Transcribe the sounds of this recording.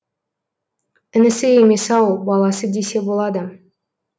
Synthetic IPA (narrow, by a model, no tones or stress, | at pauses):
ɪnɪsɪjeme̞sɑwbɑlˠɑsəd̪e̞se̞bo̞lˠɑd̪ə